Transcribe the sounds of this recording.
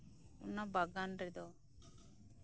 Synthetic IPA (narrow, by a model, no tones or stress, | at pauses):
ṵnːabaɡanɾɛd̪ɔ